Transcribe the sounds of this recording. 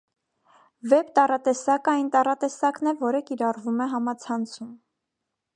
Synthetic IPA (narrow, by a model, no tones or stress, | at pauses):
vɛpt̪ɑrɑt̪ɛsɑkɑjnt̪ɑrɑt̪ɛsɑknɛvɔɾəkiɾɑrvumɛɦɑmɑt͡sʰɑnt͡sʰum